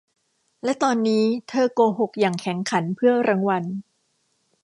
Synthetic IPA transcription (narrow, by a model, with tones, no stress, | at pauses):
lɛ˦˥t̪ɔː˧nːiː˦˥t̪ʰɤː˧koː˧ɦo˨˩k̚jaː˨˩ŋkʰɛ˩˦ŋkʰa˩˦npʰɯ˥˩ɐɾaː˧ŋwa˧n